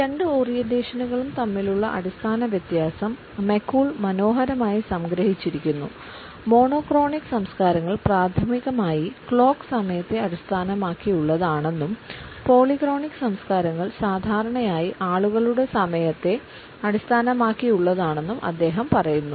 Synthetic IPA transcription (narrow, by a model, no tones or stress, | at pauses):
ɾe̞ɳɖɨo̞ːrijendeːɕɐnuɣɐɭumt̪ɐmːiluɭːɐ̰ʔɐ̰ɽist̪ʰaːnɐʋjɐt̪jaːsɐmː | e̞kːuːɭmɐno̞ːɦɐɾɐmaːjisɐmɡɾɐɦit͡ɕːiɾikʲːunːṵ | mo̞ːɳo̞ːkro̞ːɳikːɨ̥sɐmskaːɾɐŋːɐɭpraːd̪ʰɐmiɣɐmaːjikɭo̞ːkːsɐmɐjɐt̪ːe̞ɐɽist̪ʰaːnɐmaːkːijuɭːɐðaːɳe̞nːumpo̞ːɭikro̞ːɳikːɨ̥sɐmskaːɾɐŋːɐɭsaːd̪ʱaːɾɐɳɐjaːjiʔaːɭuɣɐɭuɽe̞sɐmɐjɐt̪ːe̞ | ɐɽist̪ʰaːnɐmaːkːijuɭːɐðaːɳe̞nːumʔɐ̰d̪ːe̞ːɦɐmpɐrɐjunːu